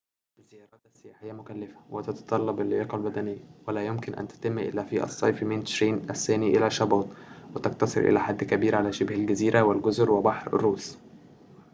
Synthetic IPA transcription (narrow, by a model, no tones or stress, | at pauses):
ʔɪzːejɑːɾˤɑːt̪ʔæsːejæːħɪjːæmʊkælːæfæ̥wet̪ɑt̪ɑ̥t̪ˤɑlːɑbɪlʔɪjɑːqɑlbæd̪ænɪjːæwælæːjʊmkɪnʔæ̰nt̪æ̥t̪ɪmːʔɪ̰lːæːfiːʔæ̰sˤːɑ̰jfment̪ʃɾiːnʔæsːæːniʔɪlæʃɑbɑːt̪ˤwɪt̪ɑk̚t̪ɑsˤɨ̰ɾʔḛlæħad̪ːkæbiːɾʕalæːʃɪbhælɡæziːɾʔæwelɡʊzɾwebɑħɾ̰rːuːs